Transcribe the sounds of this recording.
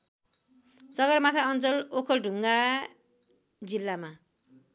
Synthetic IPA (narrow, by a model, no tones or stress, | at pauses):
sʌɡʌrmat̪ʰaʌnt͡sʌlokʰʌlɖʱuŋɡa | d͡zilːama